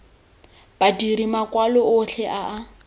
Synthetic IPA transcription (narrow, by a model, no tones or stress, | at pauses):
b̥adiɾimakʼwalɔʊɬʰɛʔaʔa